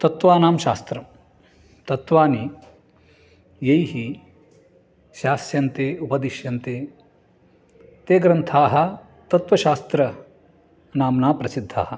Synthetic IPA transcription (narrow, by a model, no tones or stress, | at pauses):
t̪ɐt̪ʋaːnaːmʃa̰ːst̪ɾɐ | t̪ɐt̪ʋaːni | jɐjɦi | ʃaːsjɐnt̪eːupɐd̪iʃjɐnt̪eː | t̪eːɡɾɐnt̪ʰaːɦɐ | t̪ɐt̪ʋɐʃaːst̪ɾɐ | naːmnaːpɾɐsid̪ʱːa̰ːɦɐ̆